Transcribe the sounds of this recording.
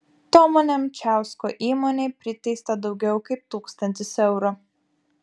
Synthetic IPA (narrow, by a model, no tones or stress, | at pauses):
t̪oːmoːnʲemt͡ʃʲæˑʊskoːʔiːmoːnʲeːpʲɾʲɪt̪ʲɐɪst̪ɐd̪ɒʊɡʲɛʊkɐɪp̚t̪uːkst̪ɐnʲt̪ʲɪsɛʊɾo